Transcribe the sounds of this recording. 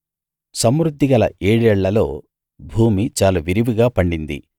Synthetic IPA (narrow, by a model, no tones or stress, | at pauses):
sɐmɾud̪ʱːiɡɐlɐ̰eːɽɛɭːɐlo̰ː | bʱuːmit͡ʃaːlɐʋiɾiʋiɡaːpɐɳɖind̪ḭ